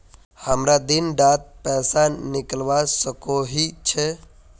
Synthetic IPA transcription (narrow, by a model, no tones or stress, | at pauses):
həmɾad̪inɖat̪̚pɛsaniklʋasəkoɦit͡ʃʰɛ